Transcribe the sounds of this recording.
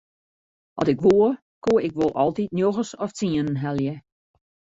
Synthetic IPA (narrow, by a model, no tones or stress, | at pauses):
ʔɔ̰tɪkʋoə | koəɪkʋolˠʔɔ̰lˠtitnjoɣəsɔft͡siənən̩ɦɛlˠjə